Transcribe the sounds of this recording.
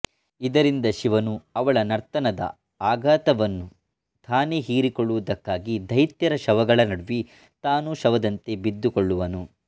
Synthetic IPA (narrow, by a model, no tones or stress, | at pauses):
id̪ɐɾind̪ɐʃiʋɐnuɐʋɐɭɐnɐɾt̪ɐnɐd̪ɐ̰ | aːɡaːt̪ɐʋɐnːu | t̪ʰaːniɦiːɾikɔɭːuʋɐd̪ɐkːaːɡid̪ʱɐjɐt̪jɐɾɐʃɐʋɐɡɐɭɐnɐɽuʋi | t̪aːnuʃɐʋɐd̪ɐnt̪ebid̪ːukoɭːuʋɐnu